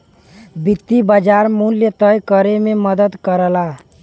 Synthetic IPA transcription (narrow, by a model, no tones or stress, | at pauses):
bɪt̪ːibəd͡ʒaɾmunljet̪əjkəɾemẽməd̪əd̪kəɾla